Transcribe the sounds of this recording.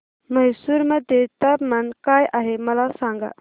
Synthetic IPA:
mɐɦsuɾmɐd̪et̪ɐbmɐnkaːjʔaɦemɐlasaːŋɡa̰

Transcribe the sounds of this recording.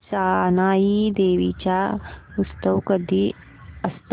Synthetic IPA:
saːnaːjid̪eːʋit͡ɕaust̪ɐwkɐd̪ʱi | ɐst̪

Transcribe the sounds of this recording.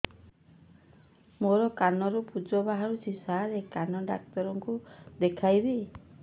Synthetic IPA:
moɾɔkanɔɾupud͡ʒɔbaɦaɾut͡ʃʰisaɦɾekanɔɖa̰k̚t̪ɔɾɔŋkud̪ekʰajbe

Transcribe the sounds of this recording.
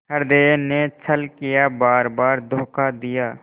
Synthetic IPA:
əɾd̪eːnet͡ʃʰəlkɪjabaːɾbaːɾd̪ʱoːkad̪ɪjaː

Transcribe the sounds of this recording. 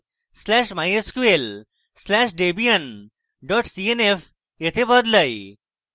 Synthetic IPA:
slɛːʃmajeskuel | slɛːʃɖeːbijɐn | ɖɔːʈsienef | jet̪ʰebɐd̪ləj

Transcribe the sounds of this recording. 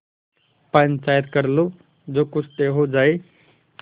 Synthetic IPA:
pənt͡ʃaːjət̪kəɾlo | d͡zoːkʊt͡ʃʰt̪eɦod͡zaːe

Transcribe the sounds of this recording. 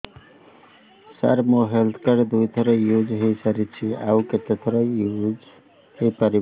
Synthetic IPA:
sa̰ɾmoɦelt̪ʰkəɾd̪ujt̪ʰɾʌjud͡zɦesəɾit͡ʃʰia̰wket̪et̪ʰɾʌjud͡z | hepʌɾi

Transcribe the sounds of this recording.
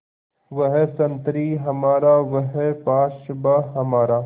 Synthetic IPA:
ʋɐɦesɐnt̪ɾiːɦɐmaːɾaːʋɐɦepaːʃbaɦɐmaːɾaː

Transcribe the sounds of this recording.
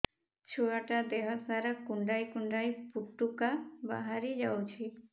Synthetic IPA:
t͡ʃʰuaʈad̪eɦɔsaɾakuɳɖajkuɳɖajpuʈːukaba̰ɦaɾid͡ʒawt͡ʃʰi

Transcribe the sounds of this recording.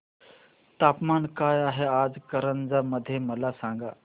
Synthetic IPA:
t̪aːpmaːnkaːjaːɦeaːd͡zkəɾənd͡zaməd̪ʱjemɐlasãːŋɡaː

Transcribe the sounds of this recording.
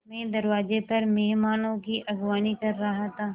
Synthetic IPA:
mɛ̃ːd̪ɐɾʋaːzepɐɾmɛɦmaːnõkiʔɐɡʋaːnikɐɾːɐɦat̪ʰaː

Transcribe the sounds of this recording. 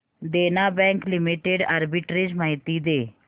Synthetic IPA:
d̪eːnaːbɛ̃ːŋklɪmiʈeːɖaːɾbɪʈɾed͡ʒmaːɪt̪iːd̪eː

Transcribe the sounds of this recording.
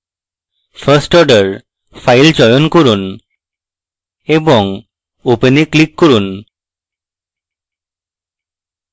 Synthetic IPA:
pʰəsʈɔɾɖəɾ | pʰajld͡ʒɔjɔnkɔɾun | ebɔŋ | openiklikːoɾun

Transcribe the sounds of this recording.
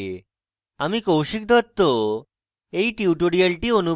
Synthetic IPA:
amiːkowɕik̚d̪ʱɔt̪ːo | eiʈiuʈoɽialʈiːənu

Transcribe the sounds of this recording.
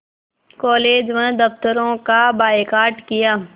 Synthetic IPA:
kɔːleːd͡ʒmẽd̪ɐft̪əɾõkabaːekaːɾʈkɪjaː

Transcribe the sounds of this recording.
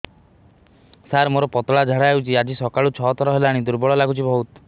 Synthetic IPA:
saɾmoɾɔpɔt̪ɔɭad͡ʒʱaɽawt͡ʃʰiad͡ʒisɔkaɭut͡ʃʰɔɦɔt̪ʰɔɾɔɦelaːɽ̃id̪uɾbɔɭɔlaɡut͡ʃʰibʱɔɦut̪

